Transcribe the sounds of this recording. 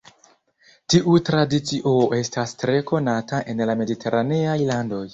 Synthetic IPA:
tiʔutɾadit͡siʔo̞ʔe̞stastɾe̞ko̞nataʔe̞nlame̞ditʰe̞ɾane̞ajlando̞j

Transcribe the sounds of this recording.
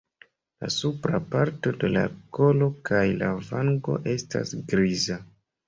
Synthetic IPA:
la̰supɾapaɾto̞de̞la̰ko̞lo̞kajlavaŋɡo̞̰ʔe̞sta̰sɡɾiza

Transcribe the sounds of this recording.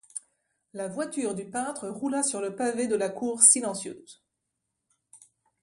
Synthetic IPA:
lavwat̪yʁd̪ypɛ̃t̪χəʁulasyʁləpaved̪əlakuʁsilɑ̃sjø̰ːz̥

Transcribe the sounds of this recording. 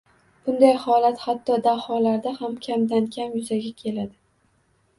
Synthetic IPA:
b̥ʊnd̪ajhɒlat̪hat̪ʰːɒd̪ahɒlaɾd̪ahamkʲʰamd̪ankʲʰamjʊzaɡʲakʲʰe̞lad̪ɪ

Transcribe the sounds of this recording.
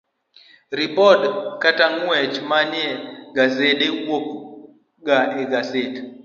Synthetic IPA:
ɾipɔdkataŋuɛt͡ʃmanjɛɡazeɗewwok̚ | ɡaɛɡased

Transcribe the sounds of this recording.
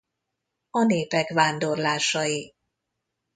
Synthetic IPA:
ɒneːpɛkʋaːnd̪o̞rlaːʃɒji

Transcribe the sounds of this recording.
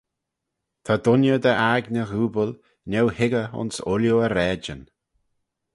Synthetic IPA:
t̪ʰad̪ʊnjəd̪əʔaɡnəɣuːbəl | nʲɛwhɪɡəʊ̰nsʊljoəɾɛːd͡ʒən

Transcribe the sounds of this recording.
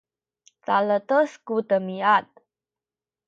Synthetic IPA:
talət̪əskutəmiat̪̚

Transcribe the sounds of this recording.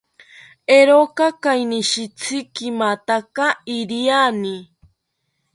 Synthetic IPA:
eɾokakajniʃit͡sʰikimat̪akaiɾiani

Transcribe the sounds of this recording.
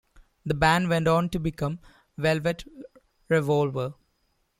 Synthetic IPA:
d̪əbæ̃nʋɛ̃ɳʈɔ̃ːnʈubɪkʌ̃m | ʋɛlʋeʈ | ɾɛʋɔːlʋə

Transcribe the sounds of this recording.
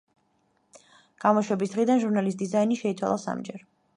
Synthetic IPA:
ɡ̥amɔʃwɛbisd̪ʁid̪anʒuɾnalist̪d̪izainiʃɛit̪sʰwa̰lˠasa̰md͡ʒɛɾ

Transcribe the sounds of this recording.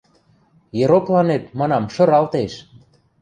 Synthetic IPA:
jeɾoklɑnet̪̚mɑnɑmʃɤ̆ɾɑlt̪eʃ

